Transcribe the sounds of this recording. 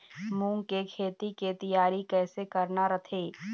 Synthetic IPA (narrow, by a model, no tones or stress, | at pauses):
mũːŋkekʰeːt̪iket̪ɐjaːɾikɛːsekɐɾnaɾɐt̪ʰeː